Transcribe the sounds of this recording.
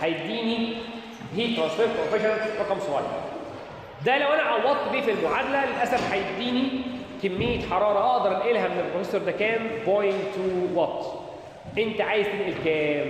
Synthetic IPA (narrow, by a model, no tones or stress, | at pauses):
ħajeb̚d̪iːni | hiːt̪ɾɑnsfeɾt̪̚pɾofeʃonɾɑqɑmsoɣɑ̰l̰ | d̪ælæwʔænæʕɑwːɑt̪ˤːb̪iːfelmoʕad̪lælelʔæsæfħajeb̚d̪iːni | kemːejːet̪ħɑɾˤɑːɾˤɑʔɑʔd̪ɑɾˤnʔelɦæmenelpɾofesɑɾˤd̪ækæːnbojɪŋɡt̪uwɑt̪ː | ʔent̪æʕaːjezt̪enʔelkɛːm